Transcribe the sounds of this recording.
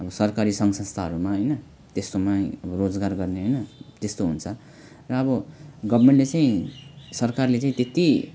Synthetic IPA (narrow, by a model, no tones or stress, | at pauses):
ʌbʌsʌrkaɾisʌŋsʌ̃st̪ʰaɦʌɾumaɦʌjnʌ | t̪est̪omaʌbʌrod͡zɡarɡʌrneɦʌjnʌt̪est̪oɦunt͡sʰʌ | rʌːbʌɡʌbrmeɳʈlet͡saĩsʌrkarlet͡saĩt̪et̪i